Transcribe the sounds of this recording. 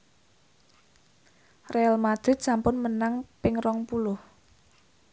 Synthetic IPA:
realmad̪̥ɾɪt̪̚sampʊnmənaŋpɪŋrɔŋpulʊh

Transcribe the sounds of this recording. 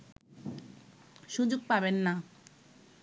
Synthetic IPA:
ʃud͡ʑoɡ̚pabenːa

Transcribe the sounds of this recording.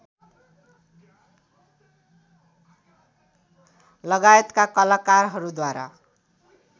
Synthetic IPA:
lʌɡajet̪kakʌlakarɦʌɾud̪waɾa̰

